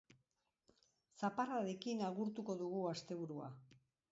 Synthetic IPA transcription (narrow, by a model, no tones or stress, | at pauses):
saparaðekinaɣuɾt̪uko̞ðuɣuast̪e̞βuɾua̰